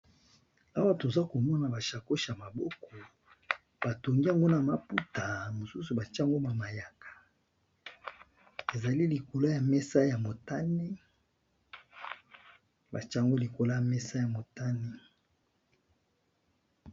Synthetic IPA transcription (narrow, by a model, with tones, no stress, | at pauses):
a˦wa˦to˨za˦ko˨mɔ˦na˨ba˨ʃa˨ko˦ʃa˨ma˨bɔ˦kɔ˨ | b̥a˨to˨ŋɡi˦a˨ŋɡo˦na˨ma˨pu˦ta˨mo˨su˦su˨ba˨t͡ʃa˦˨ŋɡo˦ba˨ma˨ja˨kʰḁ˨ | e˨za˨li˦li˨ko˨la˦ja˨mɛ˦sa˦ja˨mo˨ta˦ne˦ | ba˨t͡ʃŋɡo˦li˨ko˨la˦ja˨mɛ˦sa˦ja˨mo˨ta˦ne˦